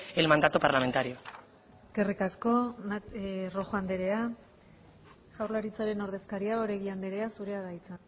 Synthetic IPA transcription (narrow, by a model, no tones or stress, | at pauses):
elmand̪at̪upaɾlame̞nt̪aɾio | eske̞rikasko̞ | roxoand̪eɾe̞a | ʝawɾlaɾit͡saɾe̞no̞ɾð̞e̞skaɾiaoɾeɣiand̪e̞ɾe̞asuɾe̞aðajt͡san